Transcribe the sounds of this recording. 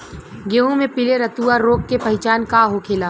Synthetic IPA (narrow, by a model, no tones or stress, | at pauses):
ɡeːɦõmẽpɪleɾɐt̪uaɾːoːkːepɐɦɪt͡ʃaːnkaːɦokʰeːlaː